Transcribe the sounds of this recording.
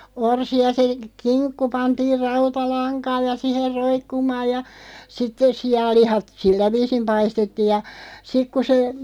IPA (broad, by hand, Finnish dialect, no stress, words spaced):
orsi jɑ se kinkːu pɑntiːr rɑutɑlɑŋkɑːj̆ jɑ siher roikːumɑːj jɑ sitːes̆ siɑlːihɑt silːæ ʋiːsim pɑistetːiːj jɑ sik ku se